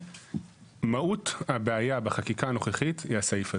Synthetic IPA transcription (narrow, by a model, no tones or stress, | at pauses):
mauthabeajabeχakikano̞χeχithiasaifa